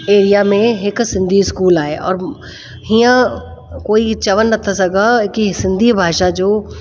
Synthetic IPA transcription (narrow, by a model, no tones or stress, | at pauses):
eːɾijamẽeksɪ̃nd̪ʱiskuːlaːeːɔ̰ːɾ | ɦijã | koːit͡ʃɐʋənːɐt̪ʰːas̬ɐɡakisɪ̃nd̪ʱibʱaːʃad͡ʒoː